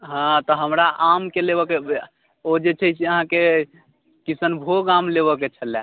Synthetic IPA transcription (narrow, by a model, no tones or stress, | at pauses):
ɦãt̪ɔɦəmɾaʔamkelebɔke | od͡ʒet͡ʃʰət͡ʃʰiəɦãke | kisənbʱoɡamleβəket͡ʃʰəlɛ